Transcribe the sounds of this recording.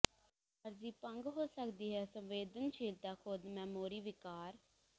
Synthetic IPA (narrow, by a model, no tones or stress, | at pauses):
əɾd͡ʒiːpəŋɡɦoːsəkd̪iːɦɛːsəmʋeːd̪ənʃʰiːld̪aːkʰod̪mɛ̃ːmoːɾiːʋɪkaːɾ